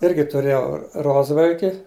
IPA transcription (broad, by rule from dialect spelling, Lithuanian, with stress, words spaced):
ˈɪrʲɡʲɪ tʊˈrʲeːjɛʊ ˈroːzʋɐlʲkʲɪ